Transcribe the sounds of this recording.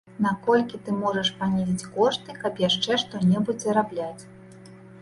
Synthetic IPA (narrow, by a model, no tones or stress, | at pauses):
nakɔlʲkʲit̪ɨmɔʐɐʂpanʲɛzʲit͡sʲkɔʂt̪ɨkɐpjaʂt͡ʂɛʂt̪ɔnʲɛbud͡zʲzɐɾablʲat͡sʲ